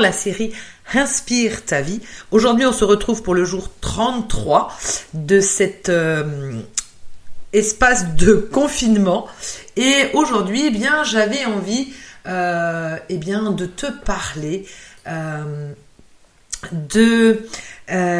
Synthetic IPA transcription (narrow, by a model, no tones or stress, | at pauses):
laseʁiɛ̃spiʁt̪avioʒuʁd̪ɥiɔ̃səʁət̪χuvpuʁləʒuʁt̪χɑ̃t̪t̪χwad̪əsɛt̪øm | ɛspasd̪əkɔ̃finmɑ̃eoʒuʁd̪ɥiebjɛ̃ʒavɛɑ̃viø | ebjɛ̃d̪ət̪ʰəpaʁleøm | d̪ə